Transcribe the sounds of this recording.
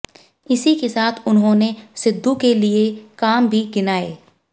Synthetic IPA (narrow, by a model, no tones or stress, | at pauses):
ɪsikesaːt̪ʰʊnɦõːnesɪd̪ʱːukeliekaːmbʱiɡɪnaːḛː